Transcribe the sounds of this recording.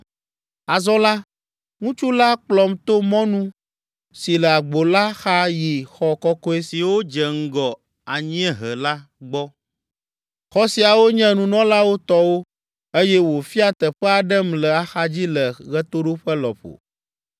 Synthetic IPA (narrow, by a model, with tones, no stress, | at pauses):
a˨zɔ˦la˦ | ŋũ˦t͡ʃu˦la˦k͡plɔ˨mt̪o˦mɔ̃˦nũ˦ | si˨lə˨a˨ɡ͡bo˨la˦xa˦ji˨xɔ˨kɔ˦kɔ˦e˦si˨wo˦d͡ʒə˨ŋ̩˦ɡɔ˨ | a˨ɲĩ˦ɛ̃˦ɦə˨la˦ | ɡ͡bɔ˦ | xɔ˦si˨a˨wo˦ɲɛ̃˦nũ˨nɔ̃˦la˦wo˦t̪ɔ˦wo˦ | e˦jɛ˦wo˨fi˦a˦t̪ə˨ɸə˦a˨ɖɛ˦mlə˨a˨xa˦d͡ʑi˦lə˨ɣɛ˦t̪o˦ɖo˦ɸə˦lɔ̰˨ɸo̰˨